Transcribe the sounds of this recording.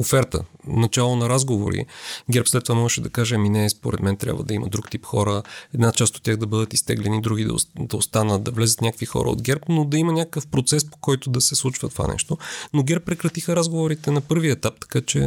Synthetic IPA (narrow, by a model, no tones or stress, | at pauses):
ofɛɾt̪ə̰nɐt͡ʃalˠonɐɾazɡovo̰ɾḭɡʲɛɾpslɛt̪ːovamɔʒɛʃɛd̪ɐkaʒɛɐminɛːspo̰ɾɛd̪mɛnt̪ɾʲja̰bvə̰d̪ɐimɐ̰d̪ɾukt̪ipxɔɾəɛd̪nat͡ʃast̪ot̪ʲːjaɣd̪ɐbɤd̪ət̪ist̪ɛɡlɛnid̪ɾuɡ̟id̪ɐ̰d̪ɐost̪anət̪̚d̪ɐvlɛzət̪nʲakəkvixɔ̰ɾə̰o̰d̪ɡʲɛɾpnod̪ɐimɐnʲakəkəfpɾot̪sɛspo̥kɔjt̪od̪ɐsɛslˠut͡ʃvɐt̪ova̰nɛ̰ʃt̪onoɡʲɛɾpːɾɛkɾɐt̪ixəɾazɡovoɾit̪ɛnɐpɤɾviɛt̪ap̚t̪ɐ̥kat͡ʃɛ